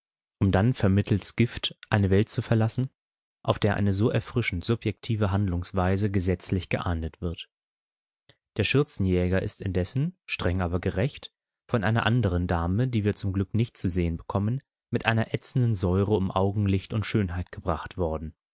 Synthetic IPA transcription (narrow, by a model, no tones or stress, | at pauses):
ʔʊmdanfɛɐmɪtʰl̩sɡ̥ɪftʔaɪnəvɛlt̚t͡sufɛɐlasn̩ | ʔaʊfd̥eːɐʔa̰ɪnəzoːʔɛɐfʁ̥ɪʃn̩tz̥ʊpjɛk̚tʰiːvəɦandlʊŋsv̥aɪzəɡəzɛt͡slɪçɡ̥əʔaːnətv̥ɪɐt | d̥eːɐʃʏɐt͡sn̩jɛːɡɐʔɪstɪndɛsn̩ʃtʁ̥ɛŋʔaːbɐɡəʁɛçt | fɔnʔaɪnɐ̰ʔandəʁ̞əndaːmədiːviːɐt͡sʊmɡlʏknɪçtt͡suzeːənbəkʰɔmən | mɪtʔaɪnɐʔɛt͡sn̩dənzɔʏʁəʊmʔaʊɡŋ̩lɪçtʊntʃøːnɦaɪtɡ̥əbʁaχtv̥ɔɐdn̩